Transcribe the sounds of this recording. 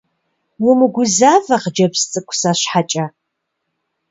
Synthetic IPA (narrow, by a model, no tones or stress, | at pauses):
wʊmuɡʷʊzaːvɐqd͡ʒɐbst͡sʼɨkʷʼsaɕħat͡ʃʼɐ